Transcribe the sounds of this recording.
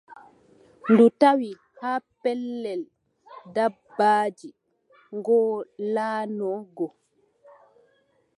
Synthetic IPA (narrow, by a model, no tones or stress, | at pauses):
ndutawi | haːpɛlːɛl | dabːaːd͡ʒi | ŋɡɔːlaːnɔɡɔ